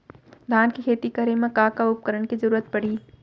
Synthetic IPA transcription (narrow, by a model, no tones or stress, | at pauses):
d̪ʱaːnkikʰeːt̪ikəɾemẽkaːkaʊp̚kəɾənkizɐɾuːɾət̪̚pɐɽiː